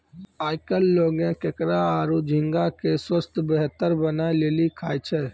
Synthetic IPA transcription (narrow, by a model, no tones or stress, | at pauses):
aːɪkəlːoːɡẽkekɾaaːɾud͡ʒʱɪ̃ŋɡakeswəst̪ʰbəɦt̪əɾbənaːeleːlikʰaːjt͡ʃʰɛ